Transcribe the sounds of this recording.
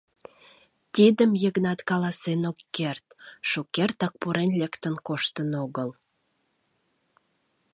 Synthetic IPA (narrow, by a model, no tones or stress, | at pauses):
t̪id̪əmjəɣnɑt̪kɑlɑsenokːert̪ʃukert̪ɑk̚puɾenlekt̪ənkoʃt̪ənoɣəl